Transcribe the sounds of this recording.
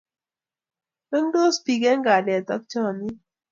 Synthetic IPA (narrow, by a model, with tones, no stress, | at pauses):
nə˦ŋdo˦spi˨ɡɛ˦ŋ˦ɡa˨lɛ˨t̪ɔ˦k̚t͡ʃɔ˦˨ni˦